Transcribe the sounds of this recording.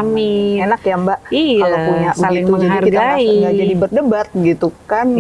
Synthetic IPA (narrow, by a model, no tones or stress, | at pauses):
mienakjambaʔikalopuɲɲabalɪŋt̪ud͡ʒadiariɡ̪aiɡad͡ʒadibərdəbat̪̚ɡit̪ukan